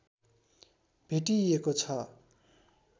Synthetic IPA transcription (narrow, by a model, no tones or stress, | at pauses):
b̥ʱeʈiekot͡sʰʌ